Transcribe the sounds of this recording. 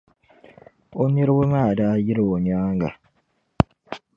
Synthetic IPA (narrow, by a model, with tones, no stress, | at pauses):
o˦ni˦ɾwu˦ma˦˨da˦ji˦ɾwo˨ɲaː˦ŋ˦ɡa̰˨